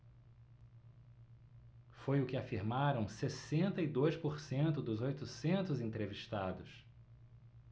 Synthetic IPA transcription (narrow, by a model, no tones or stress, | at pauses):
fojʊkɪafiɾmaɾɐ̃w̃sesẽnt̪ɐid̪ojspoɾsẽnt̪ʊd̪ʊzojt̪ʊsẽnt̪ʊzẽnt̪ɾeviʃt̪ad̪ʊs